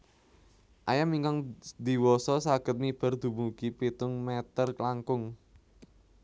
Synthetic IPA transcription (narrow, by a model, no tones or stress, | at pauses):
ʔajamiŋkaŋd̪̥i̤wɔsɔsaɡ̥ə̤t̪̚nib̥a̤rd̪̥ṳmuɡ̥ipit̪ʊŋmɛt̪ərklaŋkʊŋ